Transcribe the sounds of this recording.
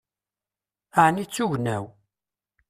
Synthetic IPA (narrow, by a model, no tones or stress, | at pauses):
aʕnit͡sːuʝnæw